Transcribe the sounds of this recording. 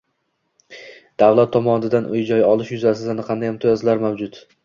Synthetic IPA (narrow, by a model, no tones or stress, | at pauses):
d̪̥awlˠat̪ʰːɒmɒnɪd̪anʔʊjd͡ʒɒjɒlˠɪʃjʊzasɪd̪anɪqʰɑnd̪ajɪmt̪ʰɪjɒzlaɾmawd͡ʒʊt̪